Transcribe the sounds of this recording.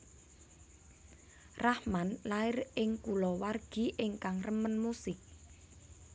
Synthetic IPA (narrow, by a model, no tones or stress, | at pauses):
rahmanlaɪrɪŋkulɔwarɡ̥i̤ʔɪŋkaŋrəmənmusɪk̚